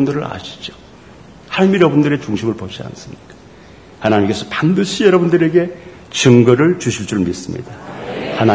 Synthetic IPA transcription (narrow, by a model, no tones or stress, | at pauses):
ndɯɾɯɾa̰ɕʰi̥d͡ʑo | haɭmiɾʌbundɯɾe̞t͡ɕuŋɕʰimɯɭpod͡ʑia̰ns͈ɯmɲik͈ḁ | hanaɲimk͈e̞sʰʌpandɯɕʰijʌɾʌbundɯɾe̞ɡe̞ | t͡ɕɯŋɡʌɾɯɭt͡ɕuɕʰiɭt͡ɕ͈uɾɯɭmis͈ɯmɲḭdahana